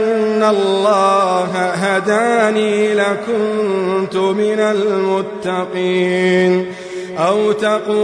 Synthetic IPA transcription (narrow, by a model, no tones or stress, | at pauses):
nːalːɑːɦaɦad̪aːniːlakʊnt̪ʊmɪnalmʊt̪ːɑqiːn | ʔawt̪aquː